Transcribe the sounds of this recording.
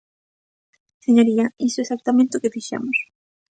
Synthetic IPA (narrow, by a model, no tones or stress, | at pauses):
seɲoɾiɐisʊesak̚t̪amẽnt̪eʊkefiʃa̰mʊs